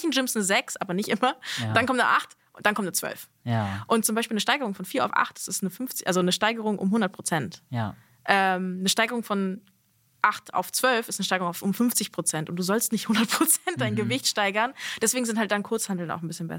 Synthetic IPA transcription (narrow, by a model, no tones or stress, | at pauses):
çn̩ʒɪmsnzɛksʔa̰ːbɐnɪçtʔɪmɐd̥ankɔmn̰ʔaχt | ʊd̥ankɔmnət͡sv̥œ̰lf | ʔʊnt̚t͡sʊmbaɪʃpiːlnəʃtaɪɡəʁʊŋfɔnfiːɐa̰ʊfʔa̰χtḁsɪstnəfʏnft͡sɪʔalzonəʃtaɪɡəʁ̞ʊŋʔʊ̰mɦʊndɐt̚pʁ̥ot͡sɛnt | ʔɛːmnəʃtaɪɡəʁʊŋfɔn | ʔaχtʔa̰ʊft͡sv̥œlfɪstnəʃtaɪɡəʁʊŋaʊfʔʊmfʏnft͡sɪçpʁ̥ot͡sɛntʊntd̥uːzɔlstnɪçthʊndɐt̚pʁ̥ot͡sɛnt̚d̥aɪnɡəvɪçtʃtaɪɡɐnd̥ɛsv̥eːɡŋ̩zɪnthalt̚d̥ankʰʊɐt͡shandl̩na̰ʊxn̩bɪsçənbɛ̰s